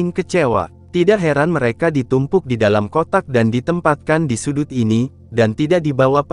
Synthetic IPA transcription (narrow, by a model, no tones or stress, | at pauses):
ɪŋkət͡ʃewa̰ | t̪idaʔɦɛɾanməɾekadit̪umpʊk̚didalamkot̪ak̚dandit̪əmpat̪̚kandisudut̪ini | dant̪idaʔ̚dibawap